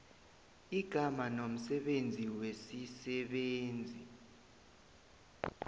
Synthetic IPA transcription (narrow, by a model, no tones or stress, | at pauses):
iɡ̥ʱamanom̩sɛɓend͡zʱiwesisɛɓeːnd͡zʱi